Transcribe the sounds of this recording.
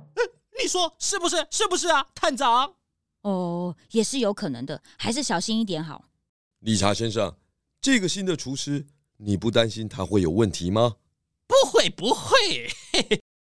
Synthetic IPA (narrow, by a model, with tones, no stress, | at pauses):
ni˨˩ʂwɔ˥ʂɻ̩˥˩bu˨˩ʂ̬ɻ̩˥˩ʂɻ̩˥˩bu˧˩ʂ̬ɻ̩˥˩a˨˩t̪ʰa˥˩nʈ͡ʂɑ˧˦ŋ | ɔ˥˩jɛ˨˩ʂɻ̩˥˩jo˧˥ʊkʰɤ˨˩nɤ̰˧˦ŋd̪ə˧ | xa˧˥ɪʂ̬ɻ̩˥˩ɕjɑ˨˩ʊɕi˥ni˥˩t̪jɛ˧˥nxɑ˨˩˦ʊ | li˨˩ʈ͡ʂʰa̰˧˥ɕjɛ˥˦nʂɑ̰˥˨ŋ | ʈ͡ʂɤ˥˨ɡə˨ɕi˥nd̪ə˨ʈ͡ʂʰu˧˥ʂɻ̩˥ | ni˨˩pu˥˩t̪a˦nɕi˦nt̪ʰa˥xwe˥˩ɪjo˨˩ʊwə˥˨nt̪ʰi˨˦ma˧ | pu˧˥xwe˥˩ɪpu˧˥xwe˥˩ɪ